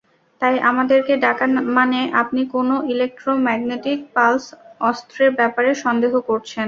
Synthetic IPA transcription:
t̪ajʔamad̪eɾkeɖakamaneʔap̚nikonoilek̚ʈɾomɛɡneʈik̚palsɔst̪ɾeɾbɛpaɾeʃɔnd̪eɦokoɾt͡ɕʰen

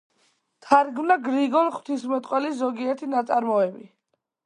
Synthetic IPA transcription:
t̪ʰaɾɡmnaɡɾiɡɔnχw̥t̪ʰismɛt̪ʼqʼwɛliszɔɡiɛɾt̪ʰinat̪sʼaɾmɔɛbi

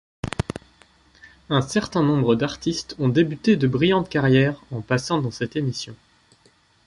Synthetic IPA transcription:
ɛ̃sɛʁt̪ɛ̃nɔ̃bʁəd̪aʁt̪ist̪ɔ̃d̪ebyt̪ed̪əbʁijɑ̃t̪kaʁjɛʁɑ̃pasɑ̃d̪ɑ̃sɛt̪emisjɔ̃

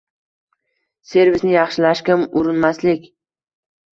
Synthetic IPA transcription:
se̞ɾvɪsnɪjɑχʃɪlaʃkʲɪmʊɾɪnmaslɪkʲ

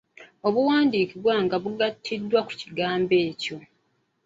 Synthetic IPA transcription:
o̞βuwaːndiːkiβwaŋɡaβuɡatʰːidːwaku̥ciɡaːmbe̞ːco̞

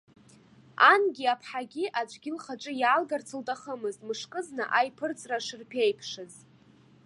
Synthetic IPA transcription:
anɡʲiapʰħaɡʲiʔat͡ʃʷʰʼɡʲɪlχaʈ͡ʂʷʼɨjaːlɡart͡sʰɨltʼaχəmɨztʼmɨʂkʼɨznɨʔajpʰɨrt͡sʼraʂɨrpʰejpʰʂɨz

